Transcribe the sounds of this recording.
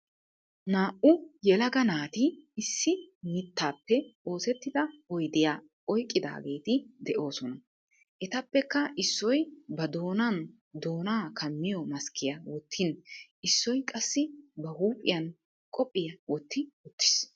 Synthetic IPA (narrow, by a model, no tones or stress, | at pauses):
naːʔʊjɛlɐɡɐnaːt̪ɪɪsːɪmɪt̪ːaːpːɛo̞ːsɛt̪ːɪd̪ɐɔjd̪ɪja | ɔjkʼːɪd̪a̰ːɡe̞ːt̪ɪd̪ɛʔo̞ːsɔnɐ | ʔɛt̪ɐpːɛkːɐʔɪsːɔjbɐd̪o̞ːnɐn | d̪o̞ːnaːkʰɐmːɪjɔmɐskʰɪjɐwɔt̪ʰːɪnʔɪsːɔjkʼɐsːɪbɐhuːpʼːɪjɐn | kʼɔpʼːɪjɐwɔt̪ːɪʊt̪ːɪ̥s